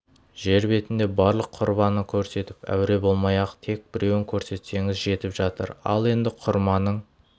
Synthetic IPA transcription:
ʒe̞ɾbe̞t̪ɪnd̪e̞bɑɾlˠəqʰːʊɾbɑnəkʲʰɵɾse̞t̪ɪpæ̰wɾe̞bo̞lˠmɑjɑqt̪ʰe̞k̚bɪɾe̞wɪŋkʲʰɵɾse̞t̪se̞ŋɪzʒe̞t̪ɪpʒɑt̪ə̰ɾɑ̰lˠe̞nd̪ɪqʰʊɾmɑnəɴ

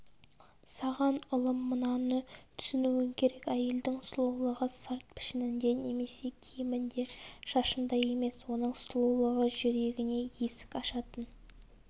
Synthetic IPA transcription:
sɑʁɑnʊlˠəmːənɑnət̪ʰʏ̥sɪnuwɪŋkʲʰe̞ɾe̞kʲæje̞ld̪ɪŋslˠolˠəʁəsəɾt̪̚pʰɪ̥ʃɪnɪnd̪e̞ne̞me̞se̞kʲʰijɪmɪnd̪e̞ʃɑʃənd̪ɑje̞me̞swo̞nəɴslˠolˠəʁəʒʏɾe̞ɡʲɪne̞je̞sɪ̥kɑʃɑt̪ən

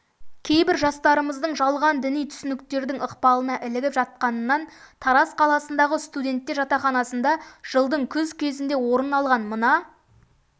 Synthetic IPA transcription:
kʲʰe̞jbɪɾʒɑst̪ɑɾəməzd̪əɴʒɑlˠʁɑnd̪ɪnijt̪ʰʏ̥sɪnɪk̚t̪e̞ɾd̪ɪŋəqpɑlˠənɑʔɪlɪɡʲɪpʒɑt̪̚qɑnənːɑnt̪ʰɑɾɑsqʰɑlˠɑsənd̪ɑʁəst̪ud̪ʲe̞nt̪ːe̞ɾʒɑt̪ɑχɑnɑsənd̪ɑʒ̥əlˠd̪əɴkʲʰɵzkʲʰe̞zɪnd̪e̞wo̞ɾənɑlˠʁɑnmənɑ

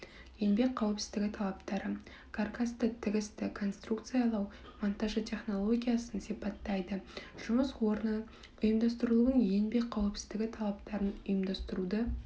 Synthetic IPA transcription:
je̞nbe̞kqʰːɑwɪpsɪzd̪ɪɡʲɪt̪ʰɑlˠɑpt̪ɑɾə | kʰarkʰast̪ət̪ʰɪɡʲɪst̪ɪkʰo̞nst̪rukt̪sɨjɑlˠɑw | mont̪aʒət̪ʲʰe̞χno̞lˠoɡʲijasənsipɑt̪ːɑjd̪əʒ̥ʊməswo̞ɾnə | ʊjəmd̪ɑst̪əɾəlˠuəɴje̞nbe̞k̚qʰːɑwɪpsɪ̥zd̪ɪɡʲɪt̪ʰɑlˠɑpt̪ɑɾənʊjəmd̪ɑst̪əɾud̪ə

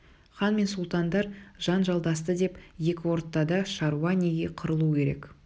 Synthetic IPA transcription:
χɑnme̞nsulˠt̪ɑnd̪ɑɾʒ̥ɑnʒɑlˠd̪ɑst̪əd̪e̞pje̞kʲɪwo̞ɾt̪ːɑd̪ɑʃɑɾuɑnʲeɡʲeqʰəɾəlˠukʲʰe̞ɾe̞̰k

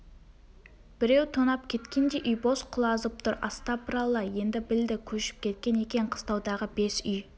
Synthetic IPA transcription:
b̥ɪɾe̞wt̪ʰonɑp̚kʲʰe̞t̪kʲe̞nd̪e̞ʔʏjbosqʰʊlˠɑzəp̚t̪ʰʊɾɑ̰st̪ɑpʰəɾɑlˠːɑjje̞nd̪ɪbɪld̪ɪkʲʰɵʃɪ̥p̚kʲʰe̞t̪̚kʲe̞ne̞kʲe̞ɴqʰə̥st̪ɑwd̪ɑʁəbe̞sʏj

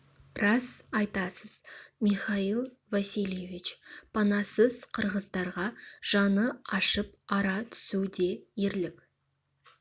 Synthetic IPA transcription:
rɑsɑjt̪ɑsəz̥miχɑilˠ | vasijlʲjevit͡ʃpʰɑnɑsəz̥qʰəɾʁəzd̪ɑɾʁɑʒ̥ɑnəɑʃəp̚ɑɾɑt̪ʰʏ̥sud̪e̞je̞ɾlɪkʲ

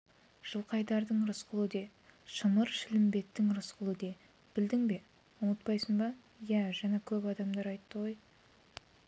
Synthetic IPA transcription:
ʒ̥əlˠqɑjd̪ɑɾd̪əɴɾəsqəlˠəd̪e̞ | ʃəməɾʃɪlɪmbe̞t̪ːɪŋɾəsqʰəlˠəd̪e̞ | b̥ɪld̪ɪŋbe̞ | ʊnət̪̚pɑjsəŋbɑ | jæʒɑnɑkʲʰɵpɑd̪ɑmd̪ɑɾɑjt̪ːəʁo̞j

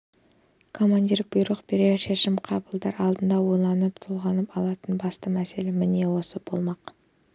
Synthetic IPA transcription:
kʰo̞mand̪ʲiɾb̥ʊjɾəqbeɾeʃeʃɪmqʰɑbəlˠd̪ɑɾɑlˠd̪ənd̪ɑwo̞jlˠɑnəp̚t̪ʰʊlˠʁɑnəpɑlˠɑt̪ənbɑst̪əmæse̞lemɪne̞wo̞səb̥o̞lˠmɑq

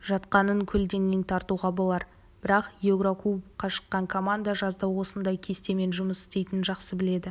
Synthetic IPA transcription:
ʒɑt̪qɑnəŋkʲʰɵld̪e̞ŋːʲent̪ʰɑɾt̪uʁɑbo̞lˠɑɾ | b̥ɪɾɑqjeɡɾokubqːɑʃə̥qːɑŋkʰo̞mand̪aʒɑzd̪ɑwwo̞sənd̪ɑjkʲʰe̞st̪e̞me̞nʒʊməsɪ̥st̪e̞jt̪ɪnʒɑqsəbɪle̞d̪ɪ

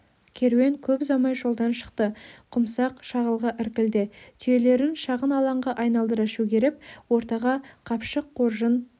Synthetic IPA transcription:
kʲʰe̞ɾwe̞ŋkʲʰɵpzɑmɑjʒo̞lˠd̪ɑnʃə̥qt̪əqʰʊmsɑqʃɑʁəlˠʁəʔɪɾkʲɪld̪ɪt̪ʰʏje̞le̞ɾɪnʃɑʁənɑlˠɑɴʁɑʔɑjnɑlˠd̪əɾɑʃuɡʲeɾɪp̚wo̞ɾt̪ɑʁɑqʰɑpʃəqʰːoɾʒən

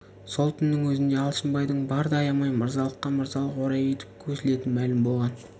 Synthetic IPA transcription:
so̞lˠt̪ʰʏnːɪŋwɵzɪnd̪e̞ɑlˠʃənbɑjd̪əɴbɑɾd̪ɑjɑmɑjməɾzɑlˠəqːɑməɾzɑlˠəqwo̞ɾɑjet̪ɪ̥p̚kʲʰɵsɪle̞t̪ɪnmælɪmbo̞lˠʁɑn

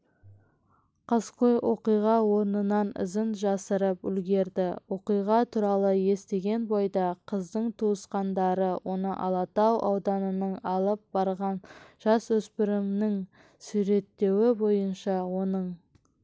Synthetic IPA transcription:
qʰɑsqojwo̞̰qijʁɑwo̞ɾnənɑnɪ̰zənʒɑsəɾəpʏ̰lɡʲe̞ɾd̪ɪwo̞qijʁɑt̪ʰuɾɑlˠəje̞st̪e̞ɡʲe̞nbojd̪ɑqʰəzd̪əɴt̪ʰuəsqɑnd̪ɑɾəwʔo̞nəʔɑ̰lˠɑt̪ɑwʔɑwd̪ɑnənəɴɑlˠəp̚bɑɾʁɑnʒ̥ɑswɵspɪɾɪmnɪŋ | sʉɾe̞t̪ːe̞wɪbo̞jənʃɑwo̞nəɴ

